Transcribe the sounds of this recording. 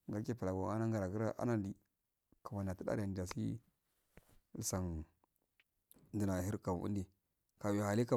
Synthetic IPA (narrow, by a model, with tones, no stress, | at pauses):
ŋɡa˨ɾke˦pa˨la˨ɡa˨a˦na˦ŋɡa˨ɾa˨ɡi˦ɾa˦ʔa̰˦na˦di˨ | ka˨ma˨na˨ti˦da̰˦ɾa˨n˨d͡ʒa˨sḭ˦ | lsa˨n | ndi˦na˨hi˦ɾka˨m˨ṵ˦ndi˨ | ka˨wha˨li˦ka˨